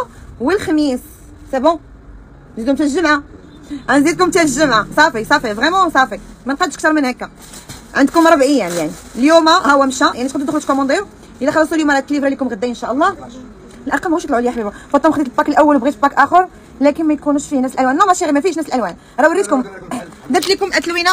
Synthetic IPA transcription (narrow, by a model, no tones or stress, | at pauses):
wəlxæmisː | ebɔ̃ | nzid̪̚kʊmt̪æʒəmʕa | ʔænzid̪̚kʊmt̪æʒəmʕasˤɑfisˤɑfivʁɛmɑ̃sˤɑfimænqɑd̪ʃək̚t̪ɑɾˤmənhækːa | ʕənd̪kʊmɾˤɑbʕəjːænjaʕni | ljumahæwːæmʃæjaʕnit̪qɑd̪d̪xʊlt̪komɑd̪ˤiɾ | əlæxɑlːɑsˤuljumæɾˤɑk̪ːlibɾɑlikʊmɣəd̪ːæʔənʃæʔəlˤːɑ | əlʔɑlqɑmɣuʃit̪lʕʊləjaħbibafɑt̪ːɑmxd̪it̪bɑkəlʔæwːəlwbɣit̪fəpːɑkʔæxəɾ | lækənmæjkunuʃfinæsəlʔælwænlæmæʃiɣimæfiʃnæsəlʔælwæn | ɾˤɑwəɾit̪kʊmd̪æt̪likʊmʔæt̪ːlwina